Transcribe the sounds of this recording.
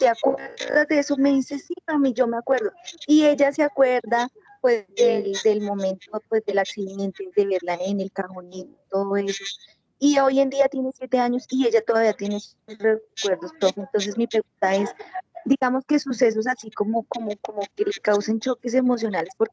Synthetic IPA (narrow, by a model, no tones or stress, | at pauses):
t̪eakweɾɾðazd̪eeso̞me̞ðise̞siamid͡ʒo̞meakwe̞ɾðo̞ie̞ʝaseakwe̞ɾd̪a | pwe̞zd̪e̞ld̪e̞lmo̞mẽ̞nt̪o̞pwe̞zd̪e̞laksiðe̞nt̪e̞ðe̞β̞e̞ɾlaene̞lkaɣoninoit̪o̞ðoe̞so | io̞je̞nd̪iat̪jene̞sjet̪e̞aɲo̞sie̞ʝat̪o̞ðaβiat̪je̞ne̞set̪osrekwe̞ɾd̪osofent̪o̞ns̬e̞zmipɾe̞ɣunt̪ae̞sd̪iɣamo̞ske̞suse̞s̬o̞s̬asiko̞moko̞mokomo̞ke̞lekawsent͡ʃo̞ke̞s̬e̞mo̞s̬jo̞nale̞spo̞ɾke